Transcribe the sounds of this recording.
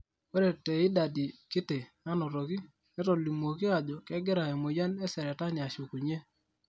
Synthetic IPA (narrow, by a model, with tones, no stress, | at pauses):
we˦ɾe˨tɛ˨ɪ˦da˨di˨kɪ˦te˨na˦nɔ˨ɾo˨ki˦ | nɛ˦tɔ˨li˨mo˨kɪ˦a˨d͡ʒɔ˨kɛ˦ɡɪ˦ɾa˨ɛ˨mo˨ja˦nɛ˦sɛ˨ɾɛ˨ta˦nɪ˨a˨ʃu˨ku˨ɲe˦